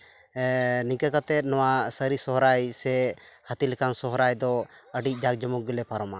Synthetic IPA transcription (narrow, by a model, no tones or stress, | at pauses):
nikakat̪ɛt̪̚nɔwasəɾisɔɦɾajsɛhat̪ilɛkansɔɦɾajd̪ɔəɖic̚ˀd͡ʒak̚d͡ʒɔmukːilɛpʰaɾɔma